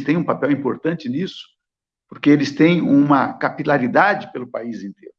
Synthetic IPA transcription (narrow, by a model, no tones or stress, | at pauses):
st̪ẽj̃ũpapɛwĩmpoɾt̪ɐ̃nt͡ʃɪnisʊ̥ | poɾkeelɪst̪ẽj̃ũmɐkapilaɾid̪ad͡ʒɪpelʊpaizĩnt̪eɾʊ